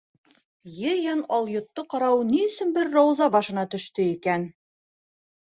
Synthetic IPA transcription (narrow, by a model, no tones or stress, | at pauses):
jɘjɑnɑlˠjŏt̪ːɤqɑɾɑwniɵ̆sɵnbɘɾːɑwzɑbɑʃɤ̆nɑt̪ɵ̆ʃt̪ɵikæn